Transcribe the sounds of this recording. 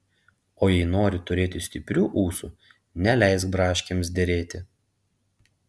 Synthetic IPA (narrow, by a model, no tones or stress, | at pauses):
oːjɛɪnoːɾʲɪt̪ʊɾʲeːt̪ʲɪsʲt̪ʲɪpʲɾʲuːʔuːsu | nʲɛlʲɛɪs̬kbɾɑːʃʲkʲemsd̪ʲɛɾʲeːt̪ʲɪ